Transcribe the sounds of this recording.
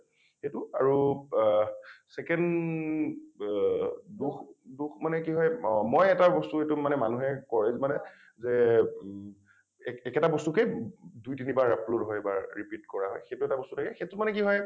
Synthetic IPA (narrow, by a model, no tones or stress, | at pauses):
xetuaɹu | sɛkɛnd | duxduxmanɛkiɦɔjmɔjɛtabɔstuetumanɛma̰nuɦɛkɔlezmanɛ | zɛ | ɛkɛtabɔstukɛdujtinibaɹapʰlotɦɔjbaɹɹipitkɔɹaɦɔ̰jxejtuɛtabɔstutʰakɛxetʊmanɛkiɦɔj